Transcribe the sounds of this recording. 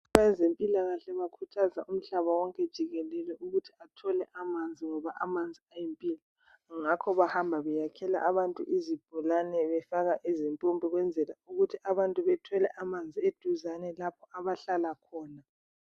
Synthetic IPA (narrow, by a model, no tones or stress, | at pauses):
βaɛzempʼilaɣaɬɛβakʰutʰazaʔum̩ɬaβawɔŋkʼɛd̥ʒ̥ʱiɣɛlɛlɛʔuɣutʰi̥atʰɔlɛʔamand͡zʱiŋɔβaʔamand͡zʱiajimpʼiːla | ŋakʰɔβahambʱaβɛjakʰɛla̰ʔaβantʼṵʔizib̥ʱulanɛβɛfaɣaʔezimpʼumpʼiɣwɛnd͡zʱɛlauɣutʰiaβantʼuβɛtʰɔlɛʔamand͡zʱied̥ʱuzanɛlapʰɔaβaɬalakʰɔːna